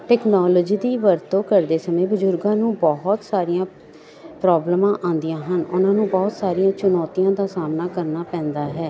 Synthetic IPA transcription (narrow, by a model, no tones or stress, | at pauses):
ʈɛːknɔːlːd͡ʒiːd̪iːʋəɾt̪õːkəɾd̪eːsəmẽːbəzʊɾɡãːnũːbɔɦʊt̪saːɾijãː | pɾɔːblmãːʔãːnd̪ijãːɦənʊnãːnũːbɔːt̪saːɾijãːt͡ʃʊnɔːt̪ijãːd̪aːsaːmnaːkəɾnaːpɛ̃ːnd̪aːɦɛː